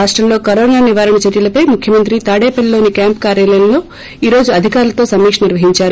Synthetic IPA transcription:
aːʂʈɾɐmlo̞ːkɐɾoːnaːniʋaːɾɐɳɐt͡ʃɐɾjɐlɐpɐjmukʰjɐmɐnt̪ɾit̪aːɽeːpɐllo̞ːnikjaːmp̚kaːɾjaːlɐjɐmlo̞ː | iːɾo̞ːd͡ʒuɐd̪ʱikaːɾulɐt̪o̞ːsɐmiːkʂɐniɾʋɐɦiɲt͡ʃaːɾu

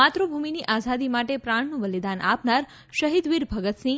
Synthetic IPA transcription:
at̪ɾobʱuminiʔasad̪imaʈepɾaɳ̃nũbəlid̪anʔa̰pnaɾ | ʃəɦid̪ʋiɾbʱəɡət̪sĩ

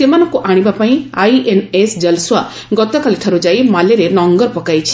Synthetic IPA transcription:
semanɔ̃kuʔaɽ̃ibapaĩajʔenesd͡ʒəlswa | ɡɔt̪ɔkaliʈʰaɾud͡ʒajmaleɾenɔŋɡɔɾpɔkajt͡ʃʰi̥

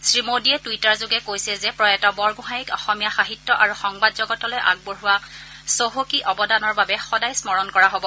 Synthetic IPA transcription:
sɹimodiɛtuitaɹzʊɡɛkojsiɛzɛpɹɔjɛtɔbɔɹɡʊ̃ɦajikɔxɔmijaxaɦitːɔʔaɹuxɔŋbadzɔɡɔtɔlɔjʔa̰ɡ̚boɹuwa | soɦokiʔɔbɔdanɔɹbabɛxɔdajsmɔɹɔnkɔɹaɦobɔ

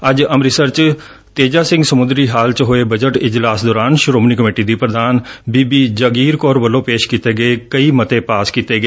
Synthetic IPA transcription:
əd͡ʒəmɾɪsəɾt͡ʃ | t̪eːd͡ʒaːsɪ̃ŋɡsəmʊnd̪ɾiːɦaːlt͡ʃɦoeːbəd͡ʒəʈɪd͡ʒlaːsd̪ɔːɾaːnʃɾoːmniːkəmeːʈiːd̪iːpɾəd̪aːnbiːbiːd͡ʒəɡiːɾkɔːɾʋəlːõːpeːʃkit̪eːɡəekəiːmət̪ẽːpaːskit̪eːɡəeː

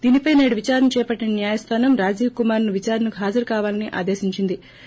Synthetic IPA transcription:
d̪iːnipɐjneːɽuʋit͡ʃaːɾɐnɐt͡ʃɛːpɐʈːinɐnjaːjɐst̪ʰaːnɐmɾaːd͡ʒiːkumaːɾnuʋit͡ʃaːɾɐnɐkuɦaːd͡ʒɐɾukaːʋaːlɐniʔa̰ːd̪eːsiɲt͡ʃind̪i

